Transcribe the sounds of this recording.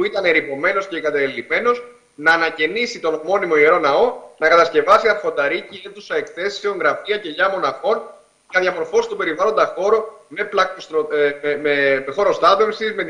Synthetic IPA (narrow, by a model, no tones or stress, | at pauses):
puit̪ɐneɾipo̞me̞no̞sceiɡɐt̪ɐlime̞no̞z | nɐːnɐce̞nisit̪o̞nmo̞nimo̞ie̞ɾo̞nɐo̞nɐkɐt̪ɐsce̞vɐsiɐɾfo̞nd̪ɐɾicie̞nðusɐe̞kθe̞si̥se̞o̞ŋɣɾɐfiɐce̞ʝɐmo̞nɐxo̞n | ʝɐðʝɐmo̞ɾfo̞st̪upe̞ɾivɐlo̞nd̪ɐxo̞ɾo | me̞plɐkosmexo̞ɾo̞st̪ɐpefsizme̞t̪